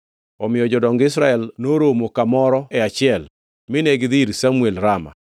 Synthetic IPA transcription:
ɔmɪjɔd͡ʒɔdɔŋɡɪsɾaɛlnoɾomokamɔɾɔɛat͡ʃɪɛl | mɪnɛɡɪðɪɾsamuelɾama̰

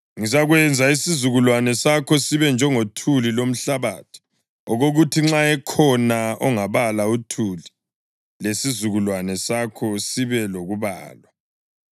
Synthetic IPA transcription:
ŋis̬aɣwɛnd͡zʱaisizuɣulwanɛsakʰɔsiβɛnd͡ʒʱɛŋotʰulilom̩ɬaβaːtʰu̥ | ɔɣoɣutʰiŋ͡ǁaɛkʰɔnaɔŋaβalautʰuli | lesizuɣulwanɛsakʰɔsiβɛloɣuβa̰ːlwa

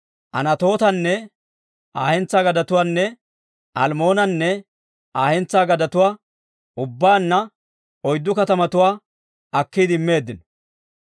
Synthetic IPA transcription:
ʔɐ̰nɐt̪o̞ːt̪ɐnːɛ | ʔaːhɛnt͡sːaːɡɐd̪ɐt̪ʊwaːnːɛ | ʔɐlmo̞ːnɐnːɛ | ʔaːhɛnt͡sːaːɡɐd̪ɐt̪ʊwaː | ʔʊbːaːnːɐ | ɔjd̪ːʊkɐt̪ɐmɐt̪ʊwaː | ɐkːid̪ɪɪmːe̞ːd̪ːɪnɔ̥

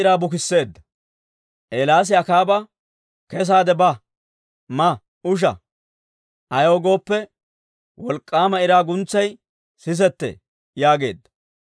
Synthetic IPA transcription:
ɪɾaːbʊkɪsːe̞ːd̪ːɐ | ʔeːlaːs̬ɪɐkaːbɐ | kɛs̬aːd̪ɛbɐ | mɐ | ʊʃ̬ɐ̰ | ʔɐjoːɡo̞ːpːɛ | wɔlkʼːaːmɐɪɾaːɡʊnt͡sːɐj | sɪs̬ɛt̪ːḛː | jaːɡe̞̰ːd̪ːɐ

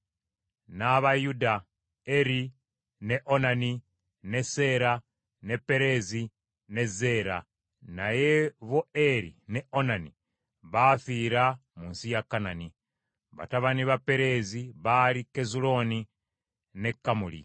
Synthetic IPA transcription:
naβajuda | eɾi | ne̞ʔo̞nani | ne̞se̞ɾa | ne̞pe̞ɾe̞zi | ne̞ze̞ɾa̰ | najeβo̞eɾḭne̞ʔo̞nanḭ | βafiɾamuːnsijakːanani | βa̰taβaniβape̞ɾe̞ziβalike̞zulo̞ni | ne̞kːamulḭ

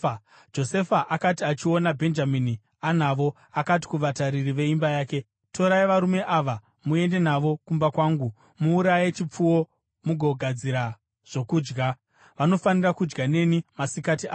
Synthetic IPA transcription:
d͡ʒo̞se̞faʔakatiat͡ʃio̞nabʱe̞nd͡ʒamini | anaʋo̞ | akati̥kuʋataɾiriʋe̞imbajaːke̞ | to̞ɾaiʋaɾume̞ʔaʋa | mue̞nde̞naʋo̞kumbakwaːŋɡu | muːɾaje̞t͡ʃip͡fuwo̞ | muɡʱo̞ɡʱad͡ziɾa | ʐ̥o̞kuːd͡ʒɡa | ʋano̞fanirakud͡ʒɡane̞nimasikatia

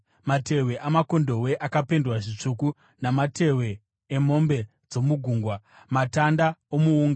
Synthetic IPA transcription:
mate̞we̞ʔamako̞ndo̞we̞ʔakapendwaʐit͡ʂuku | namatʰe̞we̞ː | mo̞mbe̞ | d͡zo̞muɡʱuːŋɡwa | matandaomuuːŋɡ

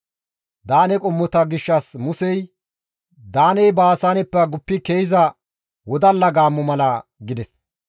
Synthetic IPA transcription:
d̪aːnɛkʼɔmːɔt̪ɐɡɪʃːɐsmʊsɛj | d̪aːnɛjbaːsanɛpːɐɡʊpːɪkejɪzɐ | wɔd̪ɐlːɐɡaːmːɔmɐlɐɡɪd̪ɛs

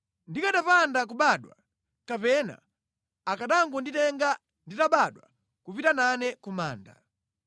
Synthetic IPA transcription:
ndikaɗapandak̬uɓaɗwa̰ | kapɛna̰ | akaɗaŋɡunditɛŋɡa | nditaɓaɗwa̰ | kupitananɛkuma̰ːnda̰

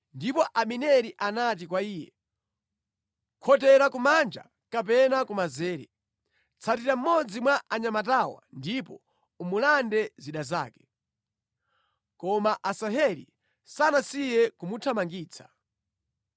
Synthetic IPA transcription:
ndipɔʔaminɛɾiʔanat̬ikwaiːjɛ̰ | kʰɔtɛɾakumand͡ʒa̰ | kap̬ɛnakumazɛːɾɛ̰ | t͡sʰatiɾam̩mɔd͡zimwaʔaɲamatawa̰ndipɔ | umulandɛziɗaza̰ːkɛ̥ | kɔmaʔasaɦɛɾḭ | sanasijɛkumutʰamaŋɡiːt͡sʰḁ

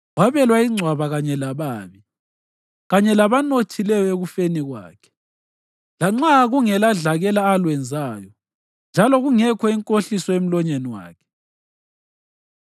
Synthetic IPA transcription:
waβɛlwaiŋ͡ǀʱwaβaɣaɲɛlaβaːβi | ɣaɲɛlaβanotʰilɛjɔeɣufeniɣwa̰ːkʰɛ̥ | laŋ͡ǀaɣuŋɛlaɮaɣɛlaːlwɛnd͡zʱaːjɔ | nd͡ʒʱalɔɣuŋɛkʰɔiŋkʼoɬisɔem̩lɔɲeniwa̰ːkʰɛ̥

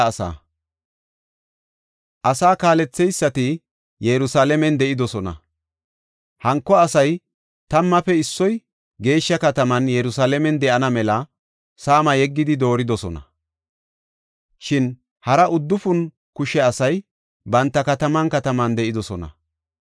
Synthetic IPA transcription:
sa̰ː | ʔɐsaːkaːlɛt͡sːɛjsːɐt̪ɪ | jɛɾʊsaːlɛmɛnd̪ɛʔɪd̪ɔsɔnɐ̰ | hɐŋkːɔɐsɐj | t̪ɐmːɐfɛɪsːɔj | ɡe̞ːʃːɐkɐt̪ɐmɐnjɛɾʊsaːlɛmɛnd̪ɛʔɐnɐmɛlɐ | saːmɐjɛɡːɪd̪ɪd̪o̞ːɾɪd̪ɔsɔnɐ̰ | ʃɪn | hɐɾɐʔʊd̪ːʊfʊn | kʊʃɛɐsɐj | bɐnt̪ːɐkɐt̪ɐmɐnkɐt̪ɐmɐnd̪ɛʔɪd̪ɔsɔnɐ̰

